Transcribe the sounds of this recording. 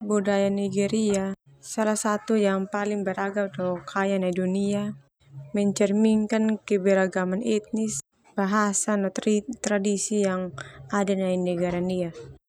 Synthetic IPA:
budajaniɡɛɾia | salahsat̪ujaŋpalɪŋbəɾaɡaldɔkʰajanaidunia | mɛɲt͡ʃɛrmiŋkankɛbɛɾaɡamanɛt̪̚nɪs | b̥aɦasanɔt̪t̪ɾadisijaŋadanainɛɡaɾania

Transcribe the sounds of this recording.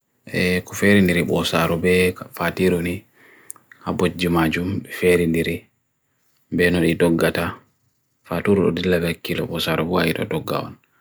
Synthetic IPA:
ʔɛkɔfeɾindiɾiɓɔsaɾubɛfatiɾuni | habod͡ʒimad͡ʒumbɛfeɾindiɾi | bɛnɔɗidɔɡːata | fatuɾuɗɔ̰dilːabɛkːilɔ̰ɓɔsaɾɔbua̰iɗɔ̰dɔɡːa̰wɔ̰n

